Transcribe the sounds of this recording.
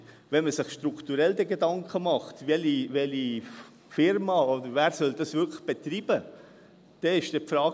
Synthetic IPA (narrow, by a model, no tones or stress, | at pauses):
vɛnməsɪχʃtɾukʰt̪uɾɛld̪ɛɡedɑŋkʰəmɑχtvɛlivɛli | fɪɾmɑod̪əɾvæːɾsœld̪ɑsvɪkʰlə̥χb̥et̪ɾiːb̥ə | d̥ɛɪʃd̥ɛpfɾɑː